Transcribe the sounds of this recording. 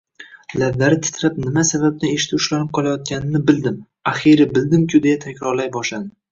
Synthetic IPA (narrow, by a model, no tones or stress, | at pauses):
lab̪d̪aɾɪt̪ʰɪ̥t̪ʰɾap̚nɪmasabab̚nɪeʃɪ̥t̪ʰʊʃlanɪp̚qʰɒlˠajɒt̪̚ɡʲanɪnɪbɪld̪ɪm | aχiɾɪbɪld̪ɪmkʲʰʊd̪e̞jat̪ʰakʲɾɒɾlajbɒʃlad̪ɪ